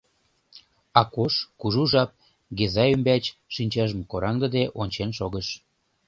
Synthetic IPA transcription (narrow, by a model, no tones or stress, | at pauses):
ɑkoʃkuʒuʒɑp̚ | ɡezɑjymbæt͡ɕʃinʲt͡ɕɑʒəmkoɾɑŋd̪ə̆d̪eʔonʲt͡ɕenʃoɣəʃ